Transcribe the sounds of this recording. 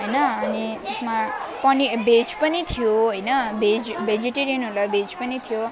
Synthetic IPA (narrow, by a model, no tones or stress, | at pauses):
ɦʌjnʌʌnid͡zesmapʌnibed͡zpʌnit̪ʰijoɦojnʌbed͡zbʱed͡ziʈeɾijʌnɦolabed͡zpʌnit̪ʰijo